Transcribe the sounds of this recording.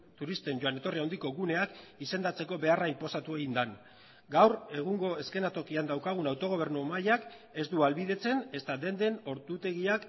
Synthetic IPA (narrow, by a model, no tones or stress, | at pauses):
t̪uɾist̪e̞nɟo̞ane̞t̪o̞riawnd̪iko̞ɣune̞akise̞nd̪at͡se̞ko̞βe̞araimpo̞sat̪ue̞ɣind̪an | ɡawre̞ɣ̞uŋɡo̞e̞ske̞nat̪o̞kiand̪awkaɣunawt̪o̞ɣ̞o̞β̞e̞ɾnumajak | e̞zd̪ualβiðe̞t͡se̞ne̞st̪ad̪e̞nd̪e̞no̞ɾt̪ut̪e̞ɣiak